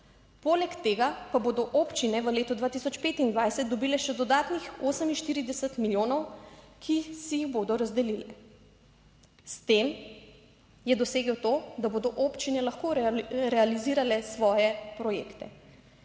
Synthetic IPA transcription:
poːlɛkt̪eːɡapaboːd̪ɔʔoːpt͡ʃinɛʋəleːt̪ɔd̪ʋaːt̪isɔt͡ʃpeːt̪ind̪ʋajsɛt̪̚d̪ɔbiːlɛʃɛd̪ɔd̪aːt̪nixoːsəminʃt̪iːɾid̪ɛsət̪miljoːnɔwkʰisijiɣboːd̪ɔɾazd̪ɛlilɛ | st̪em | jɛd̪ɔseːɡɔwt̪oːd̪aboːd̪ɔʔoːpt͡ʃinɛlaxkoɾɛaliziːɾalɛsʋɔːjɛpɾɔjḛːkt̪ɛ

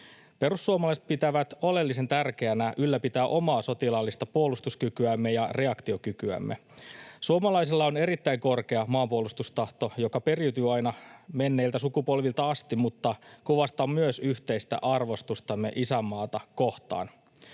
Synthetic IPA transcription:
pe̞ɾusːuomɑlɑise̥t̪̚pit̪æʋæt̪o̞le̞lːis̬e̞nt̪ærk̟e̞ænæʔylːæpit̪æːʔo̞mɑːso̞t̪ilɑlːist̪ɑpuolust̪uskykyæmːe̞jɑre̞ɑkt̪io̞kykyæ̰mːesuomɑlɑijsilːɑone̞ɾit̪ːæijŋko̞rke̞ɑmɑːmpuolust̪ust̪ɑht̪o̞jo̞kɑpe̞riyt̪yːɑjnɑme̞nːeːlt̪æsukupo̞lʋilt̪ɑɑst̪immut̪ːɑkuʋɑst̪ɑmmyøsyçt̪e̞ist̪æ̰ʔɑrʋo̞st̪ust̪ɑmːe̞̰ʔisæmːɑːt̪ɑko̞ht̪ɑ̰ːn

